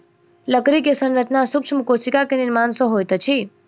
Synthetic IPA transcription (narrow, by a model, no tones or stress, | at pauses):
ləkɾikesə̃nɾət͡ʃnasuk̚t͡ʃʰmukosikakeniɾmansɔ̃ɦojt̪t͡ʃʰi